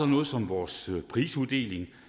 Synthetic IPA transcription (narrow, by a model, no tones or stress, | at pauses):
ɒnɔ̽ːð̩ˠsɒ̽mʋɒːsøpʰʁḭːsuðˠd̥e̝̰ːle̝ŋ